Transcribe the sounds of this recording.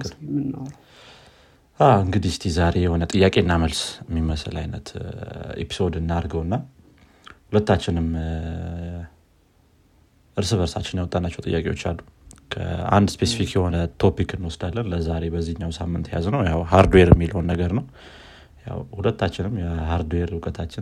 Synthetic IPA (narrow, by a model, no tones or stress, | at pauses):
ɨn | aɨŋɡɨd̪ist̪ʰizaɾe̞jɛho̞nət̪ʼɨjːakʼe̞nːaməlsmːiməslajnət̪ḛpʰi̥so̞d̪ɨnːaɾɡəwɨnːa | hulət̪ːat͡ʃːɪnɨm | ʔɨɾsɨβəɾsat͡ʃːɪnjɛwt̪ʼːanːat͡ʃːɛwt̪ʼɨjːakʼe̞wo̞̰t͡ʃːa̰lːukʰə̰a̰nd̪spʰesifikjɛho̞nət̪ʰo̞pikɨnːwɔsd̪alːənləzaɾe̞bəzːihɨɲːawsamːɨnt̪jaznəwjawhaɾd̪weɾɛmːiləwnːəɡəɾnəw | ja̰whulət̪ːat͡ʃːɪnɨmjɛhaɾd̪weɾɨkʼət̪ʰat͡ʃːɪ